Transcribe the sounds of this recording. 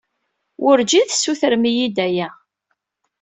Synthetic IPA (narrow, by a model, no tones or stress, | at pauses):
ʔʊɾd͡ʒiðsːuθəɾmijid̪æjæ